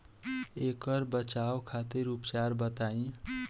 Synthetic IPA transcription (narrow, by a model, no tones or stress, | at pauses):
ekəɾbət͡ʃawkʰat̪iɾupt͡ʃaɾbət̪aĩ